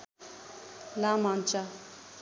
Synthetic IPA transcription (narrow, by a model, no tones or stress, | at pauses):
lamant͡ʃa